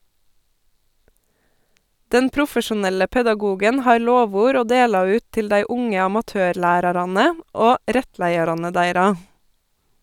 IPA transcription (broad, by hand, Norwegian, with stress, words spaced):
ˈdɛn ˈpɾʊfəʃʊˌnɛlə pɛdɑˈɡuːɡən ˈhɑːɾ ˈloːˌʋuːɾ ˈoː ˈdeːlɑ ˈʉːt ˈtɪl ˈdæɪ ˈʊŋə ɑmɑˈtøːɾˌɭæːɾɑɾɑnə ˈoː ˈɾɛtˌlæɪɑɾɑnə ˈdæɪɾɑ